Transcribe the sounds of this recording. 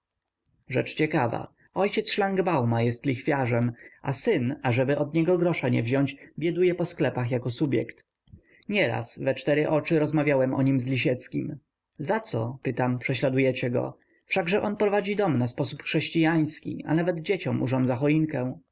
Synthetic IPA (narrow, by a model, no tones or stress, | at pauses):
ʐɛ̰t͡ʂt͡ɕɛkava̰ | ɔjt͡ɕɛt̪sʂlaŋɡbawmajɛst̪lʲixfʲjaʐɛmasɘnaʐɛbɘʔɔd̪ɲɛɡɔɡɾɔʂaɲɛ̰vʑɔ̃ɲt͡ɕbʲjɛd̪ujɛpɔsklɛpaxjakɔsubʲjɛ̰kt̪ | ɲɛɾa̰svɛt͡ʂt̪ɛɾɘʔɔt͡ʂɘɾɔzmavʲjawɛmʔɔ̰ɲimzlʲiɕ̬ɛt̪skʲim | zat̪sɔ̰pɘt̪ampʂɛɕlad̪ujɛt͡ɕɛɡɔ̰ | fʂaɡʐɛʔɔnpɾɔvad͡ʑid̪ɔmnaspɔsupxʂɛɕt͡ɕijaj̃skʲḭa̰navɛd̪d͡ʑet͡ɕɔmṵʐɔndzaxɔiŋkɛ̃w̃